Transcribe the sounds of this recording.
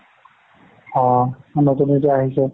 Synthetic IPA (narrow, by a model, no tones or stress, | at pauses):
ɔ̃notunet̬ɛaɦisɛ